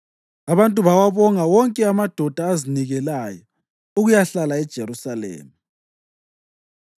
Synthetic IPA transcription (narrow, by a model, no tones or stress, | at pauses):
aβantʼuβawaβɔŋawɔŋkʼɛamad̥ʱɔd̥ʱaːziniɣɛlajɔ | uɣujaɬalaɛd̥ʒ̥ʱeɾusalḛːma